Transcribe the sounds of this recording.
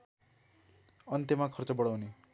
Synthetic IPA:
ʌnt̪emakʰʌrt͡sʌbʌɽawne

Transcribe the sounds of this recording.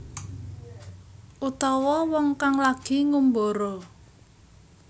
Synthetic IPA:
ʔut̪ɔwɔwɔŋkaŋlaɡ̥i̤ŋumboɾo

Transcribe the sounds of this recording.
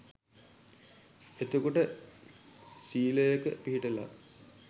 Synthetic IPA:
et̪okoʈə | siːləjəkə̰piɦiʈəla̰

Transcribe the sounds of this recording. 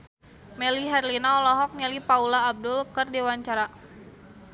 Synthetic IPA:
mɛliɦɛrlinaɔlɔɦɔk̚ɲɛlipaulaːb̚dʊlkərdewaɲt͡ʃaɾa

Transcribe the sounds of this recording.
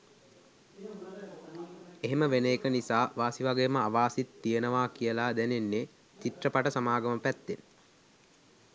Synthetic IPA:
eɦeməʋenekənisaːʋaːsiʋaɡejəməaʋaːsit̪ːijənəʋaːkijəlaːd̪ænenːe | t͡ʃiʈrəpaʈəsamaːɡəməpæt̪ːen

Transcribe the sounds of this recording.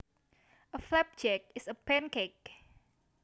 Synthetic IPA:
ʔəflɛp̚d͡ʒɛk̚ɪsəpɛ̃nkek̚

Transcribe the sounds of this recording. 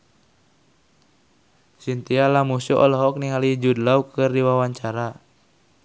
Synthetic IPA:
sint̪ialamusuʔɔlɔɦɔk̚niŋalid͡ʒudlaukɨrdiwawaɲt͡ʃaɾa

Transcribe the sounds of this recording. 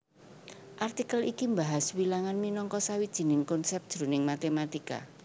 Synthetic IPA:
ʔart̪ikəlikimbaɦaswilaŋanminɔŋkɔsawid̥ʒ̥i̤nɪŋkɔnsɛp̚d̥ʒ̥ɾunɪŋmat̪emat̪ika̰

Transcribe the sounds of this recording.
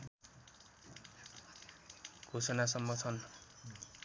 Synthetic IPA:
ɡ̥ʱosʌnasʌmːʌt͡sʰʌn

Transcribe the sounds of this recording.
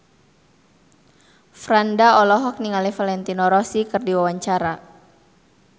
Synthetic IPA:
fɾandaɔlɔɦɔk̚niŋalɛfalɛnt̪inɔɾɔsikɨrdiwawaɲt͡ʃaɾa

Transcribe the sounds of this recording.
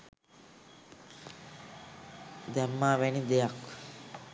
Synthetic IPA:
d̪ɛmːaːʋænid̪ejak

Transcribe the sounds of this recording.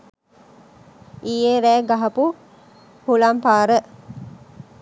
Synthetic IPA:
iːeɾæːɡaɦɐpu | hulampaːɾə

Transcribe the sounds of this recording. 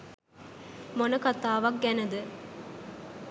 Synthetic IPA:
monəkat̪aːʋɐk̚ɡɛnəd̪ə

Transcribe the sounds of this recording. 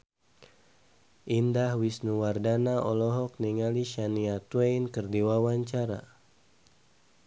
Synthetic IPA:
ʔindahwisnuwardanaʔɔlɔɦɔk̚niŋaliʃaniat̪wejnkərdiwawaɲt͡ʃaɾa̰

